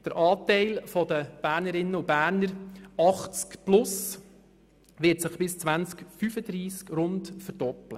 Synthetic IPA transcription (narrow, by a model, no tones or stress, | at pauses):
d̥əɾʔɑːtɛɪlfɔd̪əb̥æːɾnəɾɪnːəub̥æːɾnəɾɑχt͡skplʊs | ʋɪːtsɪχb̥ɪst͡sʋænt͡skfyfəd̪ɾiːskɾʊndfəɾd̥ɔplə